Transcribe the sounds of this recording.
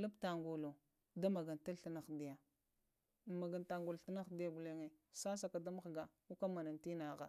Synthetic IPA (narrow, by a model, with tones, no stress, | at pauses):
lu˦bta˨ŋɡo˨lo˨ | da˦ma˨ɡa˨nta˦lɬi˦na˨xdi˨ja˨ | ma˨ɡa˨nta˨ŋɡu˨lɬi˦na˦xdi˦ja˦bu˨le˦ŋe˨sa˦s̬a˨ka˨da˦m˦xɡa˨ | u˦ka˦ma˨na˨nti˦na˨ɣa̰˨